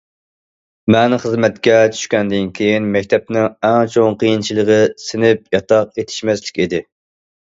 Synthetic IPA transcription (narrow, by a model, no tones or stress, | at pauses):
mɛnχəzmɛt̪kʲɛt͡ʃʰy̥ʃkʲɛnd̪ɪnkʲʰejinmɛkʲt̪ʰɛp̚nɪŋɛŋt͡ʃʰoŋqʰəjint͡ʃʰilˠəʁəsɪnɪp̚jɑt̪ʰɑq̚et̪ʰɪ̥ʃmɛslɪ̥kʲid̪ɪ